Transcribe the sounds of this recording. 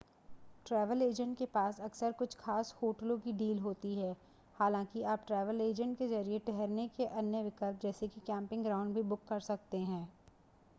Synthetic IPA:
ʈɾɛːʋəleːd͡ʒə̃ɳʈ̚kepaːsɐksəɾkʊt͡ʃʰxʰaːshoːʈəlõkiɖiːlɦoːt̪iɦɛː | haːlãːkiaːp̚ʈɾɛːʋəleːd͡ʒə̃ɳʈ̚kezɐɾijeʈɛɦɛɾnekeʔɐnjəʋɪkəlp̚d͡ʒɛːsekikɛ̃ːmpɪ̃ŋɡɾaːʊ̃ɳɖbʱibʊkːɐɾsɐk̚t̪eɦɛ̃ː

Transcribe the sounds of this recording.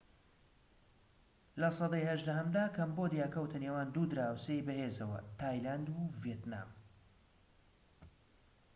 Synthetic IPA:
lɐsˤɑd̪ɑjhɐʒd̪ɐɦɐmd̪aːkʰɐmbod̪jaːkɐwt̪ʰɐnewaːnd̪uːd̪ɨɾaːwseːjbɐheːzɐwɐ̰t̪ʰaːjland̪uvijet̪na̰ːm

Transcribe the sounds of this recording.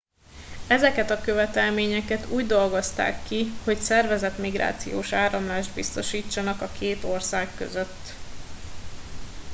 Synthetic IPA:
ɛzɛkɛt̪ɒkø̞vɛt̪ɛlmeːɲɛkɛt̪uːɟd̪o̞lɡo̞st̪a̰ːkːiho̞csɛrvɛzɛt̪miɡɾa̰ːt̪sḭjo̰ːʃaːɾɒmlaːʒd̪bist̪o̞ʃiːt͡ʃːɒnɒkɒkeːt̪o̞rsaːkːø̰zøt̪ː

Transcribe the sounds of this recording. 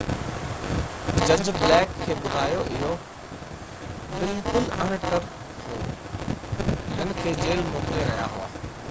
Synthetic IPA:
d͡ʑɐ̃ɲd͡ʑblɛːkʰːeːɓʊd̪ʱaːjoʔɪɦo | bɪlkʊlɐɽ̃ʈɐɾ | ɦoː | nənɪ̆kʰeːd͡ʑeːlmoːkleɾɐɦija̰ɦʊ̰a̰ː

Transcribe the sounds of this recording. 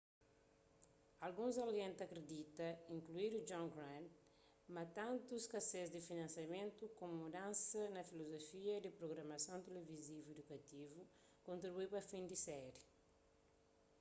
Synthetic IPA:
alɡũzɐliẽnt̪ɐkɾed̪it̪ɐĩŋkluiɾud͡ʒɔ̃ŋɡɾãnt̪ | mɐt̪ãnt̪uskɐsezd̪ifinɐ̃nsjɐmẽnt̪ukomumud̪ãnsɐnɐfilozofiɐd̪ipɾoɣɾɐmɐsɐ̃w̃t̪elevizivued̪ukɐt̪ivu | kõnt̪ɾibuipɐfĩnd̪isɛɾi

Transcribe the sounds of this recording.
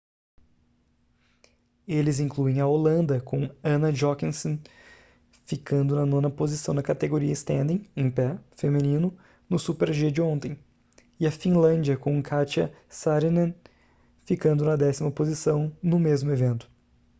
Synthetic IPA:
elɪzĩŋkluẽj̃ɐolɐ̃nd̪ɐkõɐ̃nɐʒɔkĩsõ | fikɐ̃nd̪ʊnɐnõnɐpozisɐ̃w̃nɐkat̪eɡoɾiɐɪst̪ẽnd̪ẽj̃ẽpɛfemĩnĩnʊ | nʊsupeɾʒiɐd͡ʒɪõnt̪ẽj̃ | ɪɐfĩlɐ̃d͡ʒiɐkõkʰat͡ʃiɐsaɾinɐ̃ | fikɐ̃nd̪ʊnɐd̪ɛsimɐpozisɐ̃w̃nʊmezmʊevẽnt̪ʊ̥

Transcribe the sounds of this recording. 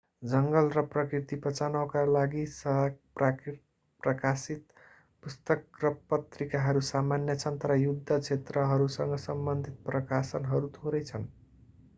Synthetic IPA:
d͡zʌŋɡʌlrʌprʌkrit̪ipʌt͡sanʌkalaɡisʌaɡ̚prak | prʌkasit̪ | pust̪ʌkrʌpʌt̪rikaɦʌɾusamanjʌt͡sʰʌnt̪ʌɾʌjud̪ʱːʌt͡sʰet̪rʌɦʌɾusʌŋɡʌsʌmbʌnd̪ʱit̪̚prʌkasʌnɦʌɾut̪ʰoɾʌjt͡sʰʌn

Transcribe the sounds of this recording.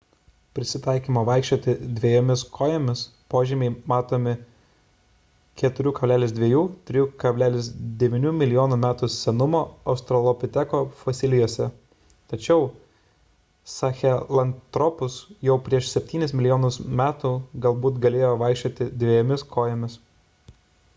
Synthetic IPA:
pʲɾʲɪsʲɪt̪ɐˑɪkʲiːmoːʋɐɪkʃʲt͡ʃʲoɔːt̪ʲɪd̪ʲʋʲiɛjoːmʲɪskʰoːjomʲɪspoːʒʲimʲɛɪmɑːt̪oːmʲɪ | kʲɛt̪ʊɾʲuːkɐbʲlʲæːlʲɪsd̪ʲʋʲiɛjuːt̪ʲɾʲɪjuːkɐbʲlʲæːlʲɪsd̪ʲɛʋʲɪnʲuːmʲɪlʲɪjoːnumʲæːt̪usʲɛnʊmoːɐʊst̪ɾɔlˠɔpʲɪt̪ʲɛkoːfosʲɪlʲɪjoːsʲɛ | t̪ɐt͡ʃʲɛʊ | sɐxʲɛlˠɐnt̪ɾɔpʊsjɛʊpʲɾʲiɛʃsʲɛpʲt̪ʲiːnʲɪsmʲɪlʲɪjoːnʊsmʲæːt̪uːɡɐlˠbuːt̪ɡɐlʲeːjoːʋɐˑɪkʃʲt͡ʃʲoːt̪ʲɪd̪ʲʋʲeɛjoːmʲɪskʰoːjoːmʲɪs

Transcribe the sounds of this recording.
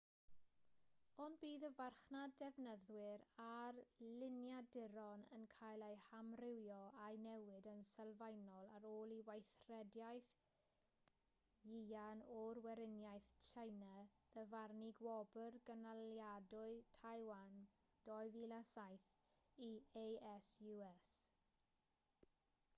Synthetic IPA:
ɔnbiːðəvarχnadɛvnəðwɪɾarlɪnjadɪɾɔnə̰nkʰajlˠejhamrɪwjɔajnɛwɪdənsɛlˠvajnɔlˠaɾoːlˠiwajθrɛdjajθ | jianɔrwɛɾɪnjajθt͡ʃʰajnəðəvarniɡwɔbərɡənaljadʊɨtʰajwan | d̥ɔɨvilasajθiejɛsjuɛs

